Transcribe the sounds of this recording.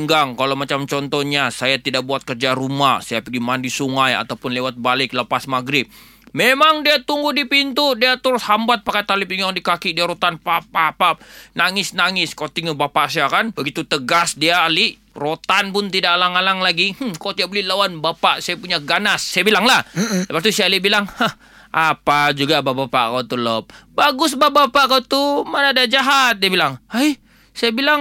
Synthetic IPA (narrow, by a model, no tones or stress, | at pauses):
ŋɡaŋkalawmat͡ʃamt͡ʃɔnt̪ɔhɲasajat̪idak̚buat̪̚kərd͡ʒaɾumahsajapəɡimandisuŋaja̰t̪awpʊnlewat̪̚balɪk̚ləpasmaɡɾɪp̚ | memaŋdiat̪uŋɡudipint̪udiat̪əɾʊshambat̪̚pakat̪alipiŋɡaŋdikakidiaɾot̪anpapapap̚naŋɪsnaŋɪskot̪iŋubapaʔsijakanbəɡit̪ut̪əɡasdiaːliʔ | rot̪anpʊnt̪idaʔlaŋalaŋlaɡih̩kot̪iaʔbəlilawanbapaʔsajapuɲaɡanasːajabilaŋlahləpat̪usialiʔbilaŋhah | ʔapad͡ʒuɡababapa̰ʔkawt̪ulɔp̚baɡʊsbabapakawt̪umanadad͡ʒaɦat̪̚diabilaŋhaj | sajabilaŋ